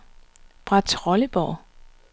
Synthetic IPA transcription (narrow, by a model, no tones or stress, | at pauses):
b̥ʁɑ̈t͡sʰʁɒ̽ləb̥ɒ̰